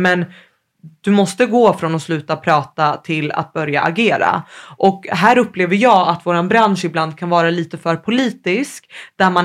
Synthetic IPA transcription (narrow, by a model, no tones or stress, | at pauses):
mɛn | d̪̥ɵmɔst̪əɡoːfɾɔnɔslʉ̟ːt̪apʰɾɑːt̪at̪ʰɪlːa̰t̪̚bœɾja̰ʔa̰ɡeːɾa̰ʔɔkɦæːɾɵpːleːvəɾjɑːat̪voːɾanbɾanʂɪbland̪̚kʰanvɑːɾaliːt̪əfœːɾpʰʊliːt̪ɪskd̪̥æman